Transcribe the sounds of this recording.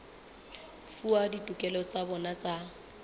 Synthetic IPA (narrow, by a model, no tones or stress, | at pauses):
fuaditʼukʼɛlɔt͡sʼabɔnat͡sʼa